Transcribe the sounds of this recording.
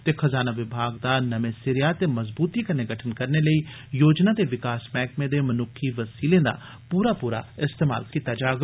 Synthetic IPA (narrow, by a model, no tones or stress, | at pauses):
t̪exɐzaːnaʋɪbʱaːɡd̪anɐmẽsɪɾjat̪emɐzbuːt̪ikɐɾneɡɐʈʰənkɐɾneləiː | joːd͡ʒnad̪eʋɪkaːsmɛ̃ːkmẽd̪emɐnʊkʰiʋɐsiːlẽd̪a̰ | puːɾapuːɾa̰ɪst̪eːma̰ːlkit̪ad͡ʒaːɡ